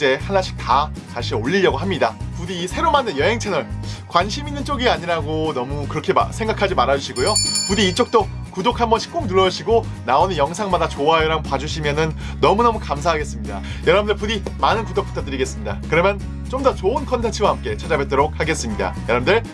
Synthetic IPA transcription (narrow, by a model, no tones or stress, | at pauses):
t͡ɕ͈e̞hanaɕʰi̥k̚tataɕʰioʎːiʎjʌɡoɦamɲidapudiːsʰe̞ɾomanejʌɦe̞ŋt͡ɕʰenʌɭkwanɕʰiminːɯnt͡ɕ͈oɡiaɲiɾaɡonʌmukɯɾʌkʰe̞a̰sʰe̞ŋɡakʰad͡ʑimaɾad͡ʑuɕʰiɡojopudiːɭt͡ɕ͈ok̚t͈okudok̚ʰhambʌnɕʰi̥k͈oŋnuɭːʌɕʰiɡo | naonejʌŋsʰaŋmadat͡ɕoaeɾaŋpwad͡ʑuɕʰimjʌnɯnː | ʌmunʌmukamsʰaɦaɡe̞s͈ɯmɲida̰ | jʌɾʌbɯndɯɭpudimanɯnkudok̚p͈u̥tʰatɯɾiɡe̞s͈ɯmɲida̰kɯɾʌmjʌn | t͡ɕomdʌt͡ɕoɯnkʰʌntʰent͡ɕʰɯɡwaɦamk͈e̞t͡ɕʰad͡ʑabet̚t͈oɾok̚haɡe̞s͈ɯmɲida̰jʌɾʌbndɯɭ